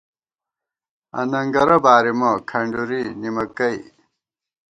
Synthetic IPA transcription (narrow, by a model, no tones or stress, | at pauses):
ɐ̰nɐŋɡɐɾɐbaːɾimɐkʰɐɳɖuɾinimɐkɐi